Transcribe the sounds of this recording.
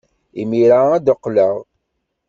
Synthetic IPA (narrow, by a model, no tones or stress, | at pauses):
imiɾaæd̪əqːləʁ